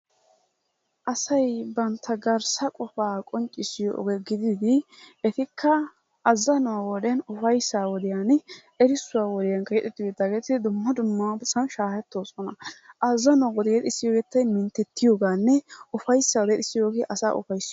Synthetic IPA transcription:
ʔɐsɐjbɐnt̪ʰːɐɡɐɾsɐkʼɔfaːkʼɔnt͡ʃʼːɪsɪjo̰ɡɛɡɪd̪ɪd̪ɪɛt̪ɪkʰːɐː | zːɐnʊwaːwɔd̪ɛnʊfɐjsːaːwɔd̪ɪjaːn | ɛɾɪsːʊwaːwɔd̪ɪjɐŋkɐjɛt̪ʼɪt̪ːɪjɔd̪aːɡeːt̪ɪd̪ʊmːɐd̪ʊmːɐbsɐnʃaːhɛt̪ːo̞ːsɔnɐʔɐzːɐnʊwawɔd̪ɛjɛt̪ɪsːɪjoːɡeːt̪ːɐjmɪnt̪ːɛt̪ːɪjoːɡaːnːɛʊfɐjsːɐwɔd̪ɛt̪ɪsːɪjo̞ːɡeːʔɐsa̰ːʔʊ̰fɐjsːɪ

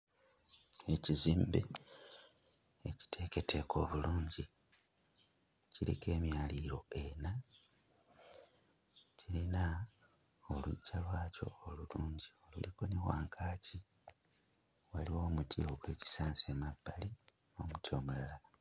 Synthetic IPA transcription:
e̞ciziːmbe | eci̥tʰe̞ke̞tʰe̞kʰo̞ːβuluːɲɟi | ciɾḭke̞ːmjaːliːɾo̞e̞na | ciɾina | olucalwaːco̞̰oluluːɲɟio̞luliko̞neɣwa̰ːŋkʰaːci | waliwo̞ːmutʰio̞kwe̞ːci̥saːnsemabːali | o̞mutio̞mulala

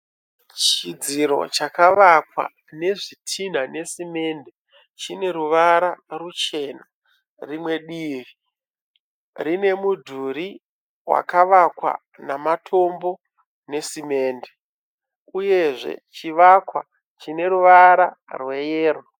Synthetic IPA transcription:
t͡ʃid͡ziɾo̞̰t͡ʃakaʋakwa̰ | ne̞ʐitʰin̤ane̞sime̞nde | t͡ʃine̞ɾuʋaɾarut͡ʃe̞na | rimwe̞ɗiːri | rine̞mudʱuɾi | wa̰kaʋakwa̰ | namatʰo̞mbo̞ | ne̞sime̞ːnde | uje̞ʐe̞̰t͡ʃiʋakwa̰ | t͡ʃine̞ɾuʋaɾa | rwe̞jeːro

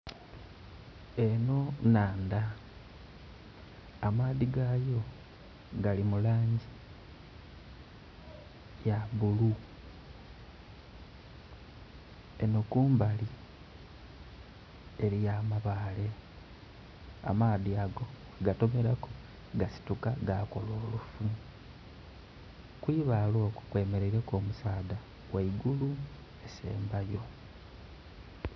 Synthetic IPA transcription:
e̞no̞naːnd̪a | maːðiɡajo̞ | ɡalimulaːɲɟi | jaβulu | enokuːmbali | eɾijaːmaβaːle̞ | a̰maːðiaɡo̞ | aɡato̞me̞ɾako | ɡasi̥tukaɡako̞lo̞ːlufu | kwiːβalo̞ːku̥kwe̞ːme̞ɾeiɾe̞ko̞ːmusaːda | waiɡulu | esḛːmbajo̞

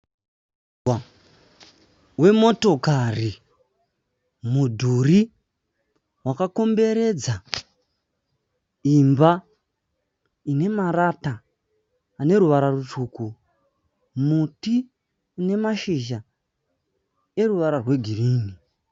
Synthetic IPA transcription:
a | we̞mo̞to̞kari | mudʱuri | wakako̞mbe̞ɾe̞d͡za | imba | ine̞marataː | ne̞ɾuʋaɾarut͡ʃuːku | mutiː | ne̞maʃiʒa | e̞ruʋaɾarwe̞ɡʱiriːni

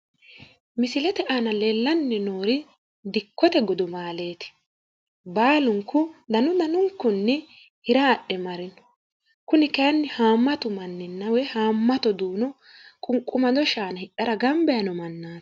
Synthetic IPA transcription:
mɪsɪlɛt̪ɛʔanɐlelːɐnːɛnoːɾɪ | d̪ɪkːɔt̪ɛɡɔd̪ʊmaːle̞ːt̪ɪ̥ | baːlʊŋkːʊd̪ɐnʊd̪ɐnʊŋkːʊnːɛ | hɪɾaːɗːɛmɐɾɪnɔ̥ | kʊnɪkɛjɐnːɪhaːmːɐt̪ʊmɐnːɪnːɐwɛhaːmːɐt̪ɔd̪uːnɔ | kʼʊŋkʼːʊmɐd̪ɔʃaːnɐhɪʔɐɾɐɡɐmbɛjɐnɔmɐnːaːt̪

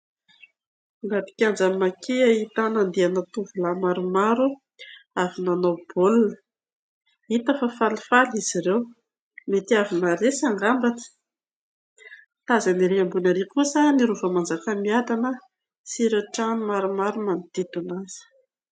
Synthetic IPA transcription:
ŋapi̥kʲand͡zamakʰeait̪anand̪eanat̪uvulamaɾumaɾu | avinanawb̥olunə | it̪afəfalifaliz̥iɾew | met̪iavinaɾesaŋɡambat̪ə̥ | t̪azaniɾeambunaɾekusəniɾuvamand͡zakamiad̪anə | siɾeʈ͡ʂanmaɾumaɾumanit̪id̪unaz̥ə̥

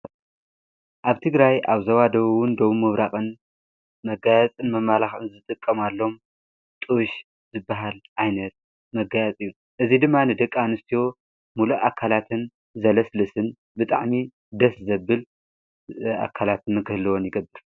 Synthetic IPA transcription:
ʔaβt̪ʰɨɡɾajʔaβzɐwad̪ɐβwʊnd̪oβumɨβɾaxʼɨn | mɐɡajɐt͡sʼɨnmɐmːalaxɨnzɨt̪ʼɨkʼːɐmalːo̞m | t̪ʼɨwʃ | zɨbːaɦalʔajnɐt̪̚ | mɐɡajɐt͡sʼɨjːu | ʔɨzid̪ɨmːanɨd̪ɐkʼːanɨst̪ʰijo̞ | muluʔakʰalat̪ʰɨn | zɐlɐslɨsɨn | bɨt̪ʼa̰ʕmi | d̪ɐszɐbːɨl | a̰kʰalat̪ɨmɐkɨhlɨwonjɪɡɐbːɨɾ

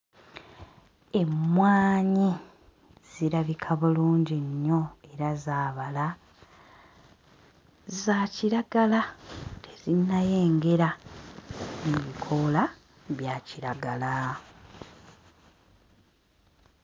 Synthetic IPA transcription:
e̞mwaːɲi | z̥iɾaβikʰaβuluːɲɟiɲːo̞e̞ɾazaːβala | zaːciɾaɡalatezinːaje̞ːŋɡe̞ɾa | neβikʰo̞la | βjaːciɾaɡala

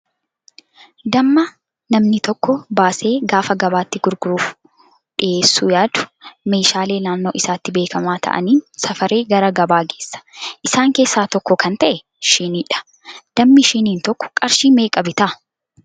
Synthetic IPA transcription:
d̪ɐmːɐ | nɐmnɪt̪ɔkːɔbaːse̞ːɡaːfɐɡɐbaːt̪ːɪɡʊɾɡʊɾuːf | ᶑɪʔe̞ːsːuːjaːd̪ʊ̥me̞ːʃaːle̞ːlaːnːo̞ːʔɪsaːt̪ːɪbe̞ːkɐmaːt̪ʰɐ̰ʔɐ̰niːnsɐfɐɾe̞ːɡɐɾɐɡɐbaːɡe̞ːsːɐ̥ʔɪsaːŋke̞ːsːaːt̪ɔkːɔkɐnt̪ɐʔɛ | ʃɪniːᶑɐ̥ | d̪̥ɐmːɪʃɪniːnt̪ɔkːɔ̥kʼɐɾʃiːme̞ːkʼɐbɪt̪ɐ

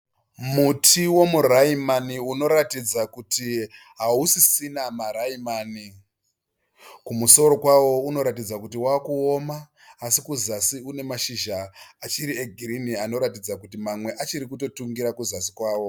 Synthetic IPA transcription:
mutʰiwo̞muraimaniuno̞ɾatid͡zakuti | ɦausisinamaɾaimaːni | kumuso̞ɾo̞kwawo̞uno̞ɾatid͡zakut̬iwaːkuomaː | sikuzasiune̞maʃiʒaat͡ʃiɾieɡʱiɾiniano̞ɾatid͡zakutimamwe̞ʔat͡ʃiɾikuto̞tuŋɡiɾakuzasi̥kwaːwo̞

